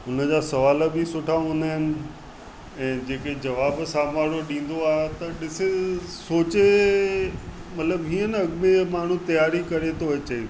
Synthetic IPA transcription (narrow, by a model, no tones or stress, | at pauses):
ʊnəd͡ʑaːsɐʋaːlə̆bɪsʊʈʰaɦõːn̆d̪aːɦɪnɪ̆ | ɛ̃ːd͡ʑeːked͡ʑɐʋaːbsaːmaːɽoɗĩːn̆d̪oaːɦet̪ɐɗɪsesoːt͡ɕe | mɐt̪ləbɦiːənɐɠmẽmaːɳ̤ũt̪ɐjaːɾikɐɾet̪ʰoɐt͡ɕe